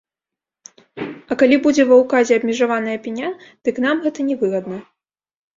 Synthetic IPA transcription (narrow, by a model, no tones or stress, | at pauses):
ɐkalʲibud͡zʲɛvɐwkazʲɛɐbʲmʲɛʐavanɐjɐpʲinʲad̪̥ɨkn̪amɣɛt̪ɐnʲɛvɨɣɐd̪nɐ